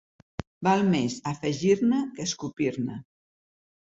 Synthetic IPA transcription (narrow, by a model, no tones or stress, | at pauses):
balˠmezafəʒiɾnəkəskupiɾnə